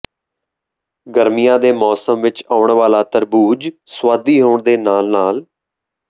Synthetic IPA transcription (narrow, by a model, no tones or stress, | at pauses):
ɡəɾmijãːd̪eːmɔːsəmʋɪt͡ʃaːʊɳʋaːlaːt̪əɾbuːd͡ʒswaːd̪iːɦoːɳd̪eːnaːlnaːl